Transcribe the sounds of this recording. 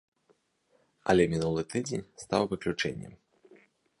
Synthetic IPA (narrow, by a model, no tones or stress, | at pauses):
ɐ̰lʲɛmʲinulˠɨt̪ɨd͡zʲenʲst̪awvɨklʲut͡ʂɛ̰nʲːɛ̰m